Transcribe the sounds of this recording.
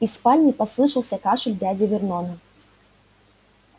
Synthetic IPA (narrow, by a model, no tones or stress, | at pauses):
ispalʲnʲipaslˠɨʂɐwˠsʲɐkaʂɨlʲd͡zʲad͡zʲɛvʲɪrnɔnɐ